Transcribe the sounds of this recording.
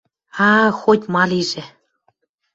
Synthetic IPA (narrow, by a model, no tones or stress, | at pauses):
ɑxotʲmɑliʒĕ